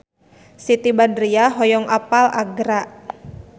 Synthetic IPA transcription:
sit̪ibadɾiaɦɔjɔŋʔapalaɡɾaʔ

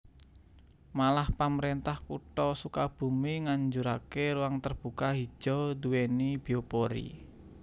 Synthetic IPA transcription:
malahpaməɾent̪ahkṵʈɔsukab̥ṳmiŋaɲd͡ʒuɾakeɾuwaŋt̪ərb̥ṳkaɦi̥ʒ̥ɔd̪uwenib̥i̤opoɾḭ

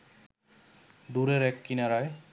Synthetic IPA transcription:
d̪uɾɛɾɛkːinaɾaj

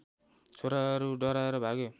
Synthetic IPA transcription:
t͡sʰoɾaʌɾuɖʌɾaɾʌbʱaɡo

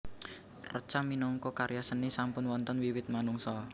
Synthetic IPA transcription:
rə̰t͡ʃamːinɔŋkɔkaɾjasənisampʊnwɔnt̪ənwiwɪt̪̚manuŋsɔ

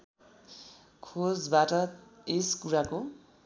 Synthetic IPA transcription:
kʰod͡zbaʈʌeskuɾako

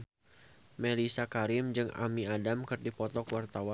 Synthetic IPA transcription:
melisakaɾɪmd͡ʒɨŋa̰miadamkɨrdipɔt̪ɔkwart̪awa

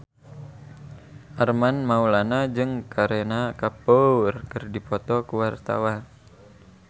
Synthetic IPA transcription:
ʔarmanmaulanad͡ʒɨŋkaɾenakaporkɨrdipɔt̪ɔkuwart̪a̰wa

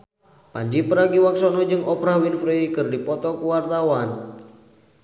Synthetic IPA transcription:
paɲd͡ʒipəɾaɡiwaksɔnɔd͡ʒɨŋɔpɾahwinfɾikɨrdipɔt̪ɔkuwart̪awan

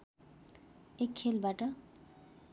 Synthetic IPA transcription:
ekʰːelbaʈʌ

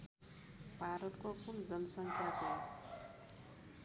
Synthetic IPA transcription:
bʱaɾʌt̪kokund͡zʌnʌsʌŋkʰjat̪o

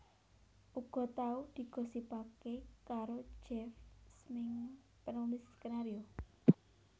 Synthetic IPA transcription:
uɡ̥ɔ̤t̪aud̪̥i̤ɡ̥ɔ̤sipakekaɾo̥d͡ʒɛfsmɪŋ | pənomɪskənaɾio

